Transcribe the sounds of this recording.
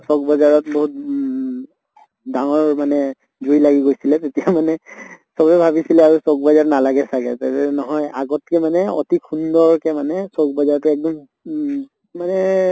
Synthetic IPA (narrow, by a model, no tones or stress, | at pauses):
sɔk̚bɔzaɹɔtboɦut̚ | daŋɔɹmanɛ | zujlaɡiɡojsilɛtetijamanɛsɔbɛbʱabisilɛaɹusɔk̚bɔzaɹnalaɡɛsakɛ̰tatɛnɔɦɔjaɡɔtkɛmanɛɔ̰tikʰundɔɹkɛmanɛsɔkbɔzaɹtʊɛk̚dɔm | manɛ